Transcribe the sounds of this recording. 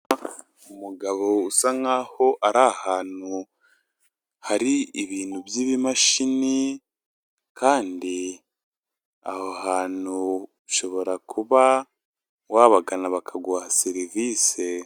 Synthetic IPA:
umuɡaβo̞usaŋaːho̞ʔaɾahaːn̥u | haɾiiβiːn̥huβjiːβimaʃini | kʰaːndi | a̰hoɦaːnuβuʃo̞βo̞ɾakʰuβa | waːβaɡanaβakʰaɡwaːhaseɾiviːse

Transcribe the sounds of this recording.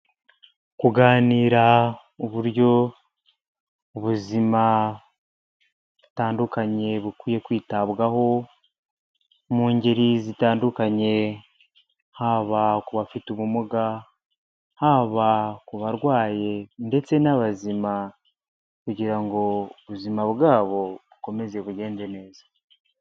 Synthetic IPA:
kuɡaːniːɾa | uβuɾjo̞ | uβuzima | βu̥taːndukaɲe̞βukwiːje̞kwiːtaβɡaho̞ | muːɲɟeɾizitaːndukaɲe̞ | haβakuβafituβumuɡa | haːβakuβaɾɡwaːje̞nde̞t͡se̞naβazima | kuɟiɾaŋɡo̞uβuzimaβɡaːβo̞βuko̞me̞ze̞βuɟe̞ːnze̞ne̞ːzḁ

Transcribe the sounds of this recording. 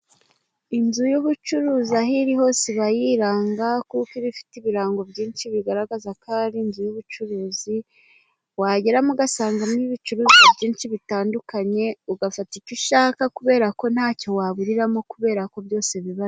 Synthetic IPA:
inzujuβut͡ʃuɾuːzaɦiɾiɦo̞ːseβajiɾaːŋɡakukiβifi̥tiβiɾaːŋɡo̞bɟiːnʃiβiɡaɾaɡazakʰaːɾinzujuβut͡ʃuɾuːzi | waɟe̞ɾamuɡasaːŋɡamniβit͡ʃuɾuːzibɟiːnʃiβitaːndukaɲe̞uɡafaticiʃaːkakuβe̞ːɾako̞n̥haːco̞waβuɾiɾamo̞kuβe̞ːɾako̞bjo̞ːse̞βiβaz

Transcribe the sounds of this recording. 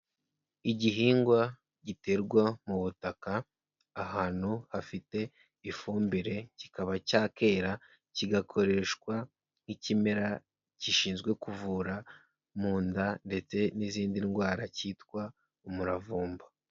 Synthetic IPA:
iɟiɦiːŋɡwa | ɟite̞ɾɡwamuβutakaː | haːn̥huhafite̞ | ifuːmbiɾe̞ci̥kaβacaːke̞ːɾa | ciɡakʰo̞ɾe̞ʃkwa | nicimeɾa | ciʃiːnzɡwe̞kuvuɾa | muːndande̞t͡se̞niziːndinɡwaːɾaciːtkwa | umuɾavuːmba

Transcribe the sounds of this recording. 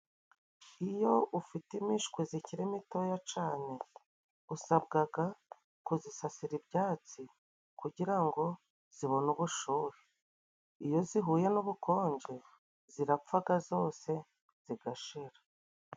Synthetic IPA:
ijo̞ufitimiʃkwiziciɾemito̞jat͡ʃaːne̞ | usab̚ɡaɡa | kuzisasiɾibjaːt͡si | kuɟiɾaŋɡo̞ | z̥iβo̞nuβuʃuːɾi | ijo̞ziɦuːje̞nuβukʰo̞ːɲɟe | ziɾap͡faɡazo̞ːse̞ | z̥iɡaʃeɾa

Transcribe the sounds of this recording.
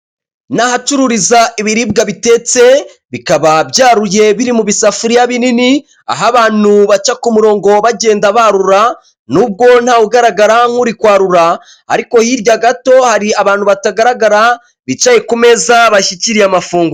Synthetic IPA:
nahat͡ʃuɾuɾizaʔiβiɾib̚ɡaβite̞t͡se̞ | βikaβabɟaːɾuje̞βiɾimuβisafuɾijaβinini | a̰ɦaβaːn̥uβat͡ʃakumuɾo̞ːŋɡo̞βaɟe̞ːndaβaɾuɾa | nuːb̚ɡo̞n̥haːuɡaɾaɡaɾaŋuɾikwaːɾuɾa̰ː | ɾiko̞hiɾɟaɡato̞haɾiaβaːn̥huβataɡaɾaɡaɾa | βit͡ʃaje̞kume̞zaβaʃiciɾiamafuːŋɡu

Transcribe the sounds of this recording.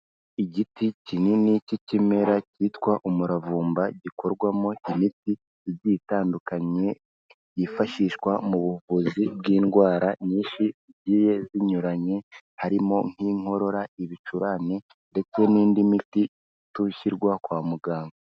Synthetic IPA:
iɟiticininicicime̞ɾacitkwaʔumuɾavuːmbaɟiko̞ɾɡwamoimiti | zjitaːndukaɲe̞ | jifaʃiʃkwamuβuvuzibɡiːnɡwaːɾaɲiːnʃiziɟiːje̞ziɲuɾaɲe̞ | haɾimo̞ŋ̥hiŋ̥ho̞ɾo̞ɾaiβit͡ʃuɾane̞ | nde̞t͡se̞niːndimiti | tuçiɾɡwakwaːmuɡaːŋɡoo

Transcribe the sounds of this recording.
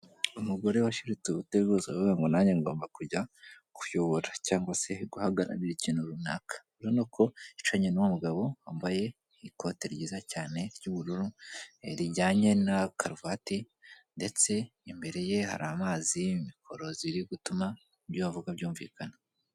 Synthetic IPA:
umuɡo̞ɾewaʃiɾit͡seβuteβɡozaβoweŋɡonaɲeŋɡo̞̰ːmbakuɟa | kujoβoɾacaːŋɡwase̞ɡuhaɡaɾa̰βiɾiciːnuɾuna̰ːkḁiɾonokʰo̞it͡ʃaɲenuwomuɡaβo̞ambaje̞ | iko̞teɾɟiːzacaːne̞ɾɟuβuɾuɾuɾiɟaːɲe̞nakʰaɾvati | nde̞t͡se̞imbe̞ɾe̞je̞ha̰ɾaːmaːzimikʰo̞ɾo̞ziɾiɡutuma | ɟoβavuɡabɟuːɱvḭːkʰana

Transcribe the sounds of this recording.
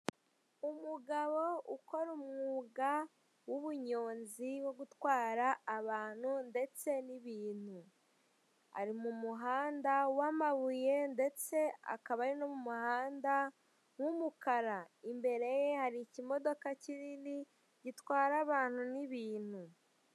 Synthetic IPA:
umuɡaβo̞ʔuko̞ɾumŋuːɡa | wuβuɲo̞ːnziwo̞ɡutwaːɾaːβaːn̥hunde̞t͡se̞niβiːn̥u | a̰ɾimumuɦaːndawamaβuje̞nde̞t͡se̞a̰kaβaɾino̞mumuhaːnda | wumukaɾaimbe̞ɾe̞jehaɾicimo̞do̞kaciɾini | ɟitwaːɾaβaːn̥huniβiːn̥hu

